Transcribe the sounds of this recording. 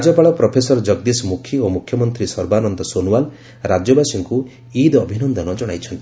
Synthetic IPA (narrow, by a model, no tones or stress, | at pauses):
ad͡ʒɔpaɭɔpɾɔpʰesɔɾɔd͡ʒɔɡd̪ismukʰːiomukʰjɔmɔnt̪ɾisɔɾbanɔnd̪ɔsonuwal | ɾad͡ʒɔbasiŋku | id̪ɔbʱinɔnd̪ɔnɔd͡ʒɔɽ̃ajt͡ʃʰɔnt̪i